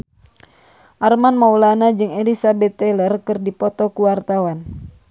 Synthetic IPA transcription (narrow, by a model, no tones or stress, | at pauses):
ʔarmanmaulanad͡ʒɨŋelisabɛt̪ːɛlərkɨrdipɔt̪ɔkuwart̪awan